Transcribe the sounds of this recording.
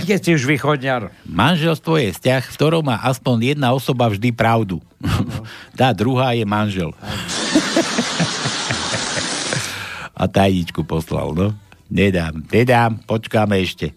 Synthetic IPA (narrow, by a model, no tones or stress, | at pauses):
ɡɛscɛuʒʋiːxɔdɲɪaɾmanʒɛlst̪ʋɔjɛfscaxft̪ɔɾɔʊmaːʔaspɔɲjɛd̪naɔsɔbavʒd̪ipɾaʊd̪u | t̪aːd̪ɾuɦaːjɛmanʒɛl | ʔa̰t̪ajɲit͡ʃkupɔsla̰lnɔɲɛd̪aːmɲɛd̪aːmpɔt͡ʃkamɛɛʃcɛ